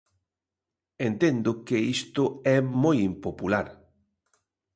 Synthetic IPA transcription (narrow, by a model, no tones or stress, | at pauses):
ent̪end̪ʊkeist̪ʊɛmojimpopulaɾ